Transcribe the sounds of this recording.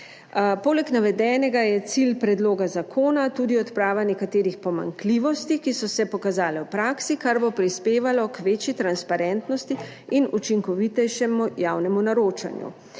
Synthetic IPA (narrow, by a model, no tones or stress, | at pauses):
poːlɛknaʋɛd̪ɛːnɛɡajɛt̪silpɾɛd̪loːɡazakʰoːnat̪ud̪iɔt̪pɾaːʋanɛkat̪eːɾixpɔma̰ŋkliʋɔst̪ikisɔsɛpɔkazaːlɛwpɾaːksikaɾbopɾispeːʋalɔkʋeːt͡ʃjit̪ɾanspaɾɛnt̪nɔst̪i | inut͡ʃiŋkɔʋit̪ɛjʃɛmujawnɛmunaɾoːt͡ʃa̰njṵ